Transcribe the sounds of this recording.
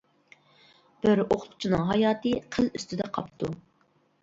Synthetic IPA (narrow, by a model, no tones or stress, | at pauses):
b̥ɪɾoqʰʊlqʰʊ̥t͡ʃʰinɨŋɦɑjɑːt̪ɨqʰəlˠyst̪ʰɪd̪ɛqʰɑpt̪ʰu